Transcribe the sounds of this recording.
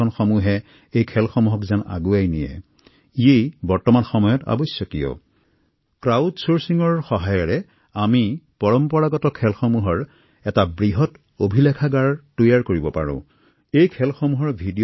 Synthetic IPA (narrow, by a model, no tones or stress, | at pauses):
ɔnxomuɦɛ | ejkʰɛlxomuɦɔkzana̰ɡuajnḭjɛ̰ | iejbɔɹtɔmanxɔmɔjɔta̰bɔjsjɔkijɔ̰ | kɹawdsoɹsiŋɔɹxɔɦajɔɹɛ | amipɔɹɔmpɔɹaɡɔtɔkʰɛlxɔmuɦɔɹ | ɛtabɹiɦɔt | obʱilɛkʰaɡaɹtojaɹkoɹibɔpa̰ɹʊ̰̃ | ejkʰɛlxomuɦɔɹbʱidi